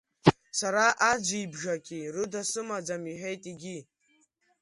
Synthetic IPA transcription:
saɾaʔad͡ʒʷibʒakʲʼirɨdasɨmad͡zamiħᶣejtʼiɡʲi

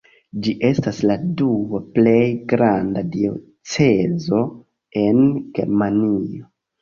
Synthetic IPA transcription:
d͡ʒiʔe̞stasladuaple̞jɡɾandadio̞̰ | t͡se̞zo̞ | e̞nɡ̥e̞̰ɾmanio̞

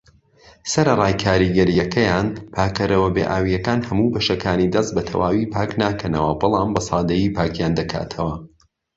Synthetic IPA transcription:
sɐɾɐrˤɑːjkʰaːɾiɡɐɾjɐkʰɐjaːnpʰaːkɐɾɐwɐbḛʔaːwijɐkaːnhɐmuːbɐʃɐkʰaːnid̪ɐst̪̚bɐt̪ʰɐ̰waːwiːpʰaːknaːkʰɐnɐwɐbɨlˠɑːmbɐsɑːd̪ɐjiːpʰaːkjaːnd̪ɐkʰa̰ːt̪ʰɐwɐ

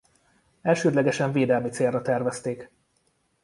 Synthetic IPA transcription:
ɛlʃøːd̪lɛɡɛʃɛɱveːd̪ɛlmit̪seːrːɒt̪ɛrvɛst̪eːk

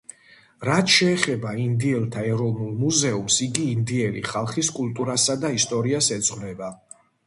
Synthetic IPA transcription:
ɾat̪ʃɛːχɛbaind̪iɛlˠt̪ʰaɛɾɔvnulˠmuzɛumsiɡiːnd̪iɛlḭχalˠχiskʼulˠt̪ʼuɾasad̪aist̪ʼɔɾiasɛd̪z̥ʼʁvlɛba

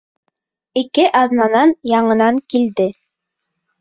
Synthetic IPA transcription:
ikɘʔɑðnɑnɑnjɑɴɤ̆nɑŋkild̪ɘ

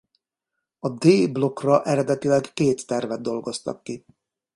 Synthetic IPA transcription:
ɒd̪eːblo̞krɒʔɛɾɛd̪ɛt̪ilɛɡːeːt̪ːɛrvɛd̪̚ːo̞lɡo̞st̪ɒ̰kːi

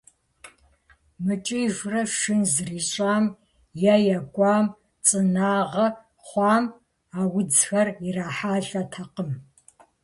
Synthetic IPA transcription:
mɨt͡ʃʼiʒʷrɐʂɪnzriːɕʼaːm | jajɐɡʷʼɑːm | t͡sʼɨnaːʁɐ | χʷɑːm | aːwʊd͡zxɐriraːħaːɬʼɐtʰɐqəm

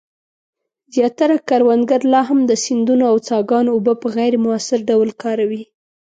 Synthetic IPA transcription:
zjɑt̪aɾakaɾwand̪ɡaɾlɑɦamd̪əsɪnd̪unoawt͡sɑɡɑnoːbəpəɣajɾmʊasɪɾɖawlkɑɾawi

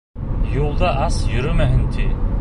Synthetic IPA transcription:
julˠd̪ɑʔɑsjɵɾɵmæɦɘnt̪ʰi

